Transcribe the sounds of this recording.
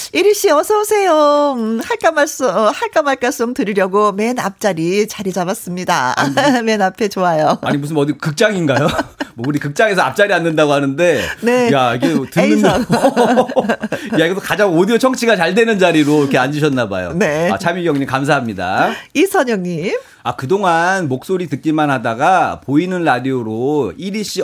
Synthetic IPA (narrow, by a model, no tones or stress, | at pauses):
iɾɯɕ͈iʌsʰʌosʰe̞jomhaɭk͈amaɭs͈ohaɭk͈amːaɭk͈aɭs͈oŋtɯɾiɾjʌɡome̞nap̚t͡ɕ͈aɾit͡ɕaɾid͡ʑabas͈ɯmɲida̰me̞napʰe̞t͡ɕoajoaɲimus̬ʰɯnʌdikɯk̚t͡ɕ͈aŋinɡajomʌuɾikɯk̚t͡ɕ͈aŋe̞s̬ʰʌap̚t͡ɕ͈aɾianːɯndaɡohanɯnde̞ne̞jaiɡetɯnːɯndo | jaiɡʌt͈okad͡ʑaŋodiot͡ɕʰʌŋt͡ɕʰiɡat͡ɕaɭdwe̞nɯnd͡ʑaɾiɾoɾkʰeand͡ʑuɕ̬ʰʌnːaba̰jo̰nea̰t͡ɕʰamiɡjʌŋɲimkams̬ʰaɦamɲida̰isʰʌɲʌŋɲim | akɯdoŋanmok̚s͈oɾitɯt̚k͈imanhadaɡapoinɯnɾadioɾoiɾiɕ͈i